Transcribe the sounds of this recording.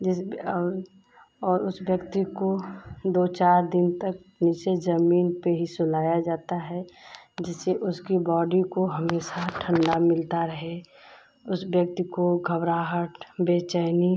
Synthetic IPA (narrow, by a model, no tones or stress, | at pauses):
d͡ʒɪs | ɔːɾʊsbjəkt̪ikod̪oːt͡ʃaːɾd̪ɪnt̪ək̚ | nɪt͡ʃezəmiːnpeɦisʊlaːjad͡ʒaːt̪aɦɛd͡ʒɪseʔʊskibɔːɖikoɦəmeːʃaʈʰə̃ɳɖamɪlt̪aɾəɦe | ʊsbjək̚t̪ikoɡʱəbɾaːɦəʈbeːt͡ʃaːni